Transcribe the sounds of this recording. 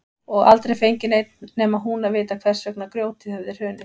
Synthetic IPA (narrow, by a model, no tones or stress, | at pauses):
ɔɣa̰lt̪ɾejfejɲcɪnejt̪nnɛːmaɦunavɪːt̪akʰv̥ɛr̥sœk̚nakɾjoːwt̪ɪhœvðɪɾ̥hœːnʏ